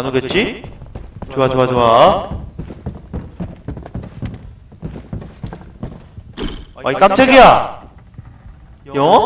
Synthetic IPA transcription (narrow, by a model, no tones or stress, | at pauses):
anɯɡet̚t͡ɕ͈i | t͡ɕoat͡ɕoat͡ɕoa | ʔaik͈am̚t͡ɕ͈ʰʌɡija | jʌ